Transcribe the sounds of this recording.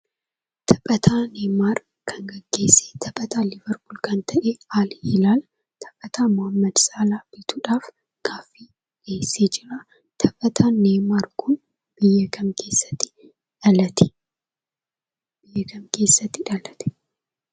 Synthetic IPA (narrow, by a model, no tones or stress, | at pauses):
t̪ɐpʼɐt̪ʰaːneːmaːɾ | kʰɐŋɡɐɡːe̞ːsːe̥t̪ʰɐpʼɐt̪aːlɪvɐɾbʊlkɐnt̪ɐʔeːaːlhɪlaːl | t̪ʰɐ̥pʼɐt̪aːmɔhɐmːɐd̪sʼaːlaːb̥ɪt̪uːᶑaːf | ɡ̥aːfːi | ʔeːsːeːd͡ʒɪɾɐ | t̪ʰɐpʼɐt̪ʰaːneːmaːɾkʊn | b̥ɪjːɐkʰɐmkʰeːsːɐ̥t̪ːɪ̥ | ᶑɐlɐt̪ɛ̥ | bɪjːɐkɐmke̞ːsːɐt̪ːɪᶑɐlɐt̪ɛ̥